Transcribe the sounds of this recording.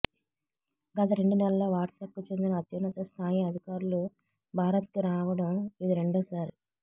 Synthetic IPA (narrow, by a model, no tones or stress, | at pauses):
ɡɐt̪ɐɾe̞ɳɖunɛlɐloʋaːʈsaːp̚kut͡ʃe̞nd̪inɐːt̪jɐnːɐt̪ɐst̪ʰaːjiɐd̪ʱikaːɾulu | bʱaːɾɐt̪kiɾaːʋɐɽɐmid̪iɾe̞ɳɖoːsaːɾ